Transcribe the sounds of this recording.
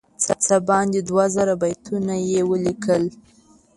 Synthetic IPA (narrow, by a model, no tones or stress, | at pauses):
t͡sat͡sabɑnd̪ed̪wazaɾabajt̪ʰunajewəlikəl